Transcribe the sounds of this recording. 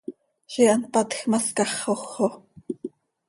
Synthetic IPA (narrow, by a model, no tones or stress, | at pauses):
ʃiʔɑnpɑt̪xmɑskɑχːoχo